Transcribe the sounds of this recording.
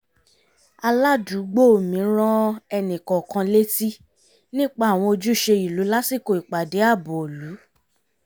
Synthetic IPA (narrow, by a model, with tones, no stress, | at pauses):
a˧la˦du˨˦ɡ͡bo˦o˨mĩ˨˦ɾ̃ɔ̃˦ɛ˧nĩ˨kɔ̃˨kã˧le˦ti˦ | nĩ˦k͡pa˦˨w̃ɔ̃˧o˧d͡ʒu˦˨ʃe˧i˨lu˨˦la˦si˦˨ko˨i˨k͡pa˨de˨˦a˦˨bɔ˨lu˨˦